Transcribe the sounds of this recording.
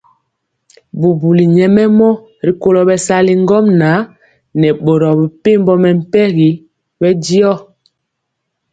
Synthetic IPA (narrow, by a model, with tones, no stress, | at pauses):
bu˨bu˨li˨ɲɛ˨mɛ˦mɔ˦ | ɾi˨ko˦lɔ˨bɛ˨sa˦li˦ŋ˦ɡɔ˦mna˨˦ | nɛ˨ɓo˨ɾɔ˨bi˨pe˦mbɔ˦mɛ˨m̩˦˨pɛ˦ɣi˨˦ | bɛ˦di˦ɔ˦